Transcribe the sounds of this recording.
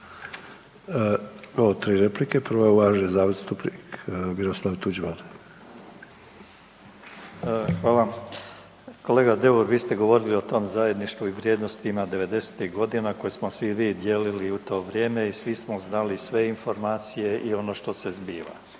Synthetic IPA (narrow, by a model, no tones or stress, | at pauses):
oʋot̪ɾiːɾeplikepɾʋouʋaːʒnizaːʋest̪upnikmiɾoslˠaʋt̪ud͡ʒbane | xʋaːlˠa | ko̞le̞ːɡad̪e̞uɾʋiːst̪e̞ɡo̞ʋo̞ɾilio̞t̪o̞ːmzaje̞d̪niʃt̪ʋuiʋɾʲje̞ːd̪nost̪imad̪e̞ʋe̞d̪e̞se̥t̪iɣɡo̞d̪inako̞jesmo̞sʋiʋiːd̪je̞ːliliut̪o̞ːʋɾje̞ːme̞isʋismo̞znalisʋe̞info̞ɾmaːt̪sije̞ʔio̞no̞ʃt̪o̞se̞zbiːʋa̰